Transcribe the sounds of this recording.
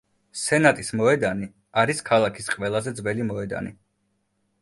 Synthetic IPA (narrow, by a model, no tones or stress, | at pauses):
sɛnat̪ʼismɔɛd̪ani | aɾiskʰalˠakʰisqʼwɛlˠazɛd̪zvɛlimɔɛd̪a̰nḭ